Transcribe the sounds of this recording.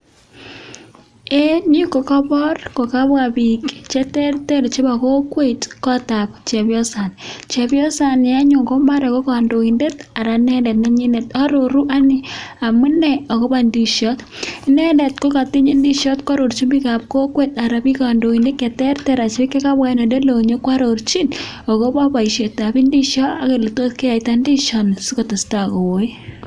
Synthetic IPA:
e˦ni˦u˦ko˨kɔ˦bɔ˦rko˨ka˦bwa˨bi˨kt͡ʃe˦tɛ˦rte˦ɾt͡ʃe˦ba˨ko˦kwe˦˨tkɔ˦ta˨pt͡ʃe˨bjɔ˦sa˨nt͡ʃe˨bjɔ˦sa˨n˨ja˦ɲo˨ŋko˦ma˦ɾɔ˨ko˦ka˨ndo˨i˨nde˦ta˨ɾa˨nɛ˦ndɛ˨t̚nɛ˦ɲi˦ne˨tɔ˦ɾo˨ɾu˦ʔa˦nɪ˦a˨mu˦nɛ˨o˨ko˦ba˦ndi˨ʃɔ˦tnɛ˦nde˨tko˦ka˨ti˦ɲi˦ndi˦ʃɔ˦tkwa˦ɾo˨ɾt͡ʃi˦nbi˦ka˨p̚ko˦kwe˦˨ta˨ɾa˨pi˦ka˨ndo˨i˨nde˦tke˨tɛ˦rte˨ɾa˨t͡ʃe˦ke˦ka˦bwa˦ne˨de˦lo˨ɲo˦kwa˦ɾo˨ɾt͡ʃi˦n | o˨ko˦ba˦ba˨i˨ʃe˨ta˨bi˦ndi˦ʃɔ˦a˦ke˨li˨to˦ske˦a˨i˨ta˦ndi˦ʃɔ˨nsi˦ko˨to˨sta˨ko˨wo˨˦i˦

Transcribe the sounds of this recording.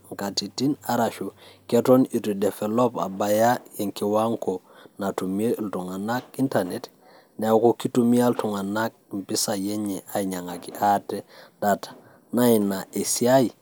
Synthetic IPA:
ŋka˨ti˨ti˦na˨ɾa˨ʃu˨ke˦to˦ni˨tu˨de˨fe˨lo˦pa̰˨ba˨ja˦je˨ŋki˨wa˦ŋko˨ | na˨tu˨me˦ltu˨ŋa˨na˦k̚i˦nta˨ne˨t | ne˨wko˦ki˦tu˦mi˦a˦ltu˨ŋa˨na˦k̚mpi˦sa˨je˦ɲɛ˨ʔa˨iɲa˨ŋa˨ki˨ʔa˦ted̥atḁ | na˦i˨na˨ʔe˨si˦a˦i˨

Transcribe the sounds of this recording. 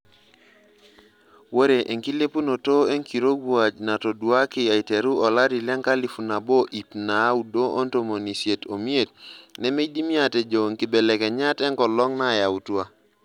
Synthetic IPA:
wo˦ɾe˨ʔe˨ŋki˦le˦pu˦no˨to˦e˦ŋki˨ɾo˦ɡu˦a˨d͡ʒna˨to˨du˦a˦ki˨ja˨i˨te˨ɾu˦ɔ˨la˦ɾi˨lɛ˦ŋka˦li˨fu˨na˨bo˦ʔi˨pna˨˦u˨do˦ʔo˦nto˦˨mo˨ni˨sje˨to˨mi˦e˨t̚ne˦me˦di˦mi˦a˨te˨d͡ʒo˨ŋki˨bɛ˨lɛ˨kɛ˨ɲa˦tɛ˦ŋkɔ˨lɔ˦ŋna˦˨ja˨u˨twa˦

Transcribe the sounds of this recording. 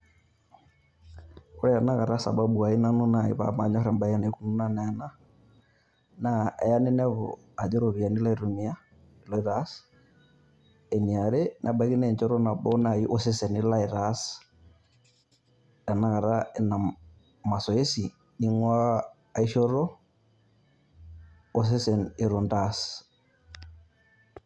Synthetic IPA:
ku˦ɾɛ˦ja˨na˦ɣa˨ɾa˦sa̰˨ba˦ɓu˨a˨i˦na˦nu˦na˨ḭ˨βa̰˦ma˨ɲɔ˦ɾɛ˨mba˦i˦a˦na˨˦ku˦nu˦na˦na˨a˨na˦ | na˦ɛ˨ja˦nɛ˦nɛ˦βɔ̰˨ | a˨d͡ʒɛ˦ɾo˨βi˨a˨ni˦la˦i˨ɾo˨ni˦a˦˨ | lɔ˦i˦ɾas | ɛ˨ni˨a˨ɾe˦nʔa˨ba˨˦ki˦nɛ˦˨ɲt͡ʃɔ˦ɾɔ˦na˨bɔ˦na˨ji˦ʔo˦se˦sɛ˨ni˦la˦i˨ɾa˦s | a˨na˦ka˨ɾa˦ɛ˨na˨ | ma˨sɔ˨e˦si˨ | ni˦ŋwa˦ | a˨i˦ʃɔ˦ɾɔ˦ | o˨s̬e˦sɛ˨ne˨ɾo˨nda˨s

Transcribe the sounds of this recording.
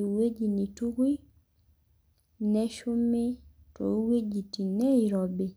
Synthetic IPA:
we˦d͡ʒi˨ni˨tu˦kwi˦ | nɛ˦ʃʊ˦me˦ | to̰˨˦we˦d͡ʒi˨ti˨nɛ˦i˨ɾɔ˨bɪ˨

